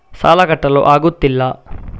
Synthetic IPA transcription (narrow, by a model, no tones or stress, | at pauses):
sa̰ːlɐkɐʈːɐlo̰ːʔaːɡut̪ːilːɐ